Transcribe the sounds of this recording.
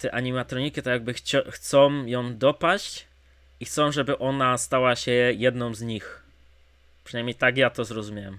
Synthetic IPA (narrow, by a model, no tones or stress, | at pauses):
t̪ɛʔaɲimat̪ɾɔɲikʲit̪ɔjaɡ̚bɘxt͡ɕxt̪sɔ̃mjɔ̃md̪ɔpaɕt͡ɕ | ixt̪sɔ̃w̃ʐɛbɘʔɔnast̪awaɕɛjɛd̪nɔ̃mzɲix | pʂɨnajmʲɲejt̪aɡjat̪ɔzɾɔzumʲjawɛm